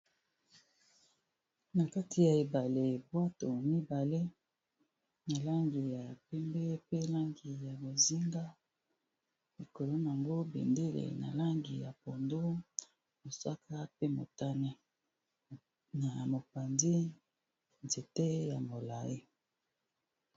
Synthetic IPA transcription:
na˨ka˦tʰi˨ja˨e˨ba˨le˨bwa˦to˨mi˦ba˨le˦ | na˨la˦ŋɡi˨ja˨pɛ˦mbe˦pe˦la˦ŋɡi˨ja˨bo˨zi˦ŋɡa˦ | li˨ko˨lo˦na˨a˨ŋɡo˦bḛ˨nde˦lḛ˨na̰˨la˦ŋɡi˨ja˨po˨ndo˦ | mo˨sa˦kʰa˦pe˦mo̰˨ta˦ne˦ | na˨mo˨pa˨ndi˦ | nze˨te˦ja˨mo˨la˨ji˦

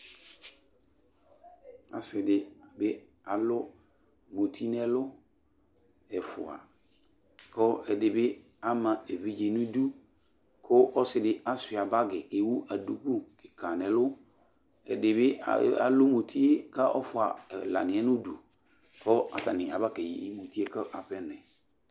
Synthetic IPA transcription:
a̰˨sɪ˨dɪ˨bɪ˦ | a˨lʊ˦ | mo˨tʰi˦nɛ˦lʊ˦ | ɛ˨fʊ̰˨a̰˨ | kɔ˦ɛ˨dɪ˨bɪ˦ | a˦mã˨e˨vi˦d͡ʒe˨nũ˦du˦ | kʰʊ˦ʔɔ˦sɪ˨dɪ˨ʔa˦sɪ˨a˨ba˦ɡɪ˨e˨wu˦ʔa˨du˦ku˦kɪ˨ka˨nɛ̃˨lʊ˦ | ɛ̰˨dɪ˨bɪ̰˦˨a̰˨lʊ˦mo˨tʰi˦e˦ka˦ʔɔ˦fʊ˨a˨la̰˨nɪ̃˨ɛ˦nʊ̃˦du˨ | kɔ˦a̰˨ta˨nɪ̃˨a˨ba˦kɛ˨jḭ˨i˦mo˨ti˦e˦kə˦ʔa˨ɸɛ˦nɛ̃˨

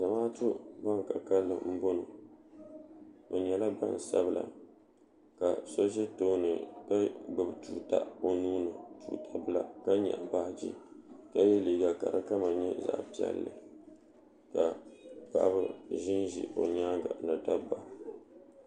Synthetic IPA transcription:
za˨maː˦tʊ˦ba˦ŋ˨ka˨ka˦lːɨ̰˦m̩˦bo˦no˨ | o˨ɲɛ˨la˦ba̰˦n˨sa˦bɨ˦la̰˨ | ka˨so˦ʒɛ˦to˦nɨ˨ba˦ɡ͡bɨ˨btuː˨ta̰˦o˨nuː˦nɨ˨tuː˨tʰa˦bɨ˦la˨ka˦ɲa̰˨ʔba˦d͡ʒḭ˦ka˦je˦liː˨ɡa˨ka̰˨ɾɨ̰˦ka˦ma˨ɲɛ˦za̰˨ʔpi˦ɛ̰˨lːɨ̰˨ | ka˨pa̰˨ʔbɨ˦ʒɪ˦nʒḭ˨ʔo˨ɲaː˦ɡa̰˨nɨ˨da˦ba˨

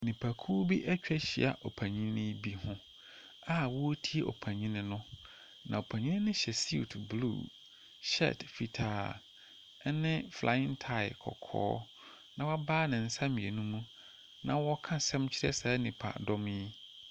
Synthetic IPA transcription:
nĩ˨pʰa˨kʰu˦bi˦ʔɛ˦t͡ɕᶣɛ˦ɕḭ˨a̰˨ʔɔ˨pʰæ̃˨ɲĩ˦nɪ̃˦bi˦hʊ̃˦ | a˦˨wɔ˦o˦tʰi˦e˦ʔɔ̰˨pʰæ̃˨ɲĩ˦nɪ̃˦nʊ̃˦ | nʔã˨o˨pʰæ̃˨ɲĩ˦nɪ̃˦nɪ̃˦ɕɛ˨sḭ˦˨tʰblṵː˦˨ | ɕɛ̰˦˨tfi˨tʰaː˨ | ɛ˦nɪ̃˦fla̰˨˦ɪ̃˦ntʰa˦˨ɪ˨kʰɔ̰˨kʰɔ̰ː˦ | nã˨wa˦baː˦nɪ̃˨n̩˦sã˦mĩ˨e˨nũ˦mũ˦ | nã˨wɔ˦kʰã˦sɛ̃˦mt͡ɕʰɪ˦ɾɛ˦saː˨˦nĩ˨pʰa̰˨dɔ˦m˦i˦

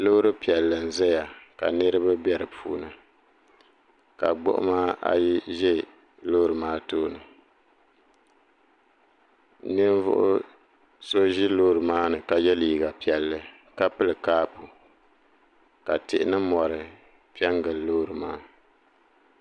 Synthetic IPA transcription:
lo˦ɾɨ˦pi˨ɛ˨lːɨ˨n̩˨zɛ˦ja˨ka̰˨nɨ˦ɾɨ˦ba˦bɛ˦ɾɨ˨pʰṵː˦nɨ˨ | ka̰˨ɡ͡bʊ̰˦ʔʊ̰˦maː˦a̰˨ji˦ʒɛ˦ | loː˦ɾɨ˨maː˦toː˦nɨ˨ | nɨ˦n˦vʊ̰˦ʔʊ̰˦ | so˦ʒi˦loː˦ɾɨ˨maː˦nɨ˨ka˨jɛ˦liː˨ɡa˨pi˨ɛ˨lːɨ˨ | ka˦pɨ˦lɨ˨kaː˦pu˨ | ka˨tɪ˨ʔɪ˦nɨ˦mɔ˨ɾɨ˨ | pi˦ɛ˦ŋɡɨ˨lloː˦ɾɨ˨maː˦

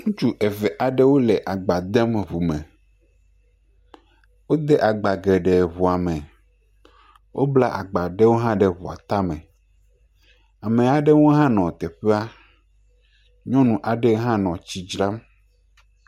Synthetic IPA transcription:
ŋũ˦t͡ʃu˦ʔɛ˨vɛ˨ʔa˨ɖe˦wo˦lɛ˨ʔa˨ɡ͡ba˨d̪ɛ˦mβu˨mɛ̃˨ | wo˦d̪ɛ˦ʔa˨ɡ͡ba˨ɡɛ˨ɖɛ˨βu˨a˨mɛ̃˨ | wʔo˦bla˦ʔa˨ɡ͡ba˨ɖe˦wo˦ɦã˦ɖe˨βu˨a̰˨t̪a˦mɛ̃˨ | a˨mẽ˨a˨ɖe˦wo˦ɦã˦nɔ̃˨t̪ɛ˨ɸe˦a˦ | ɲɔ̃˦nũ˨ʔa˨ɖe˦ɦã˦nɔ̃˨t͡ɕi˦d͡ʒɾa˦m

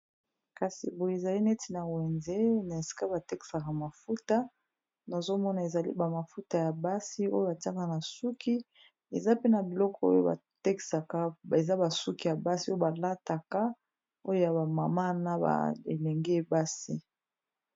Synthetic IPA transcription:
ka˨sḭ˨bo˨e˨za˨li˦ne˦ti˨na˨we˨nze˦na˨e˨si̥˨ka˦ba˨te˦ki̥˨sa˨ka˨ma˨fu˦ta˦ | na˨zo˦mɔ˦na˨e˨za˨lḭ˦ba˨ma˨fu˦ta˨ja˨ba˦si˦o˦jo˦ba˨ta˦ka˦na˨su˦kʰi˦ | e˨za˦pe˦na˨bi˨lɔ˦kʰɔ˦o̰˦jo˦ba̰˨te˦ki̥˨sa˨ka˦e˨za˦ba˨su˦ki˨ja˨ba˦si˦o˦o˦ba˨la˦ta˨ka˦ | o˦jo˦ja˨ba˨ma˨ma˦na˦ba̰˨ḛ˨lɛ˨ŋɡe˦˨ba˦si˦

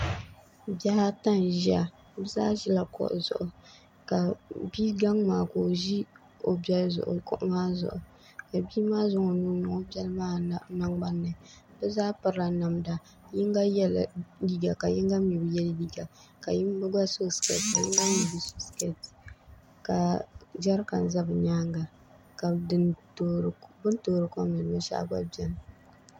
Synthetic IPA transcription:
ba˦ha˦ta˦n˨ʒi˦a˨ | bɛ˦zaː˦ʒi˦la˨kɔ̰˦˨ʔʊ̰˨zʊ̰˨ʔʊ˨ | ka˨bi˦ɡa˦ŋmaː˨ko˨ʒi˦ | o˨bɛ˦lzʊ̰˨ʔʊ̰˨kʊ̰˦˨ʔmaː˦zʊ̰˨ʔʊ˨ | ka˨bi˦maː˦zʊ˦ŋo˨nu˦nʊ˨ŋo˦bɛ˦lmaː˦na˦ŋɡ͡ba˦nːɨ˨ | bɛ˦zaː˦pɨ˨ɾɨ˦la˨na˨mda˨ | jɪ˦ŋɡa˦jɛ˦la˨di˦ɡa˨ka˨jɪ˦ŋɡa˦mji˨bɨ˨jɛ˦ldi˦ɡa˨ka˨ji˦m˦bɨ˦ɡa˦so˦skɛ̰˨tka˨jɪ˦ŋɡa˦mjɛ˨bɨ˦so˦skɛ˨t | ka˨d͡ʒa˦ɾka̰˨n˨za˦bɨ˨ɲaː˦ŋɡa˨ | ka˨ɨ˦tːɾbɨ˦ntoː˦ɾɨ˨kɔ˦mɛ˨n˨mɨ˦ʃa̰˦ʔɡ͡ba̰˦bɛ˨l

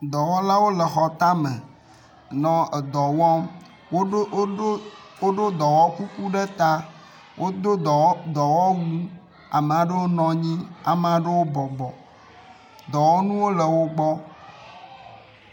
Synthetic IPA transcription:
d̪ɔ˨wɔ˦la˦wo˦lə˨xɔ˨t̪a˦mɛ̰̃˨ | nɔ̃˦ɛ˨d̪ɔ˨wɔ˦m | wo˦ | wo˦ɖo˦d̪ɔ˨wɔ˦ku˦ku˦ɖe˦t̪a˦ | wʔo˦d̪o˦˨d̪ɔ˨wɔ˦wu˦ | a̰˨me˨a˨ɖe˦wo˦nɔ̃˨ɲĩ˦a̰˨me˨a˨ɖə˦wo˦bɔ˨ɡ͡bɔ˨ | d̪ɔ˨wɔ˦nũ˦wo˦lə˨wo˦ɡ͡bɔ˦

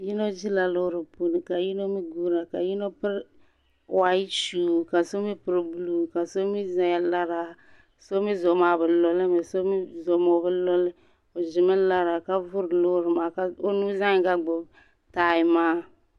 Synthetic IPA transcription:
ji˦no˦d͡ʒi˦la˨lo˦ɾɪ˨po˨ni˨ka˨ji˦no˦mi˦ɡu˦ɾa˨ka˨ji˦no˦pɪ˦ɾ | wa˨ji˦t͡ʃu˨ka˨so˦mi˦pɨ˨ɾbu˦lu˨ka˨so˦mi˦za˨ja˨la˦ɾa˨ | so˦mi˦zo˨˦ma˨bɪ˨lɔ˨li˦mɪ˨so˦mi˦zo˨mo˨bɪ˦lɔ˦lɪ˦ | o˨zɪ˨mɪ˦la˦ɾa˨ka˦vʊ˦ɾlo˦ɾma˨ka˦o˦nu˦zã˦˨ka˦ɡ͡bʊ˨b | ta˨ji˨maː˦

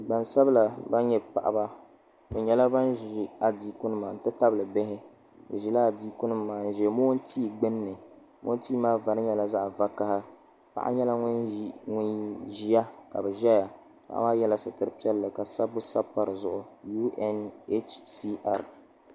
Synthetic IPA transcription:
ɡ͡ba˨nsa˦bla˨ba˦ɲɛ˦pa̰˨ʔa̰˨ba˦ | bɛ˨ɲɛ˨la˦ba˦n˦ʒi˨a˨diː˦kʊ˦nɨ˦maː˨n̩˨tɨ˦ta˦bɨ˨lɨ˨bɪ˦ɦɪ˦ | ɨ̰˨ʒi˨la˦a˨diː˦kʊ˦nɨ˦mːaː˨n̩˨ʒɛ˨mo˦n˦tiː˦˨ɡ͡bɨ˦nː˦ɨ˨ | mʔo̰˦n˦tiː˦maː˦va˨ɾɨ˦ɲɛ˨la˦za˦ʔva˦ka˦ha˦ | pa̰˨ʔa̰˦ɲɛ˦la˦ŋ˦nŋʊ˦nʒi˦ja˦ka̰˨bɛ˨ʒɛ˦ja˨ | pa̰˨ʔa̰˦maː˦jɛ˦la˨sɨ˨tɨ˨ɾɨ˨pi˦ɛ˦lːɨ˨ka˨sa˦bːʊ˦sa˦pːa˨ɾɨ˨zʊ˨ʔʊ˨ju˦ɛ˦ne˦t͡ʃsi˦ʔa̰˨ɾ

